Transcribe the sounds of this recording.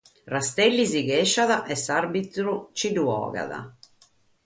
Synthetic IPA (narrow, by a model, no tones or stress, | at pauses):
rast̪elːiziɡɛʃaðaʔɛsarbit̪ɾut͡ʃiduɔ̰ːɣa̰ða̰